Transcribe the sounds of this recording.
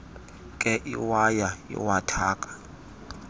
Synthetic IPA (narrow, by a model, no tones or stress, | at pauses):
kʼɛʔiwajaḭwatʰaːkʼḁ